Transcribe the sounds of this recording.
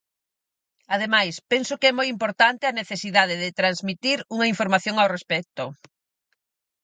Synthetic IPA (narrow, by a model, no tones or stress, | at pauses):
aðemajspensʊkɛmojimpoɾt̪ant̪ɪɐneθesiðað̞eðɪt̪ɾanzmit̪iɾuŋɐiɱfoɾmaθjoŋawrespɛt̪ʊ